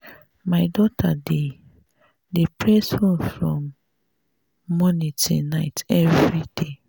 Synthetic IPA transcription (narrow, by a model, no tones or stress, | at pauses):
maɪdɔtʰade | depɹeshõmfɹɔ̃m | ɔnitḛ̃naɪtɛvɹide